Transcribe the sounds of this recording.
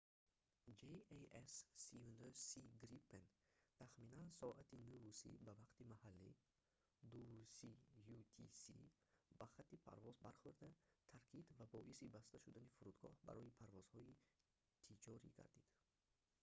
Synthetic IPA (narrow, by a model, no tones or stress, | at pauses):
d͡ʒeeesːiund̪osiɡɾipːent̪ʰaχminansɔʔat̪ʰinuvusḭbavaqt̪imahalːḭ | d̪uusijut̪ʰisḭ | baχat̪ːipʰa̰ɾvɔzbaɾχuɾd̪at̪ʰaɾkʰid̪vabɔʔisibast̪aʃud̪anifuɾud̪ɡɔ̰hba̰ɾɔjipʰaɾvɔz̥hɔi | t̪ʰit͡ʃʰɔɾḭɡa̰ɾd̪id̪̥